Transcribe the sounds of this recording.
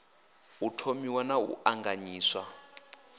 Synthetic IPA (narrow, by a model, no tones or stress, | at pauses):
utʰomiwanaṵaŋɡaɲiːswa